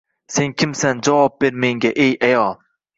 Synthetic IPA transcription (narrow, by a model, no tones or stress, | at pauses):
se̞ŋkʲʰɪmsand͡ʒɒvɒp̚b̥e̞ɾmeŋɡʲaʔejajɒlˠ